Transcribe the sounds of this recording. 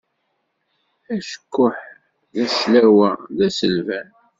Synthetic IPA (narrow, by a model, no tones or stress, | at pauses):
æʃə̥kːʊħ | ðæslæwæðæsəlvæn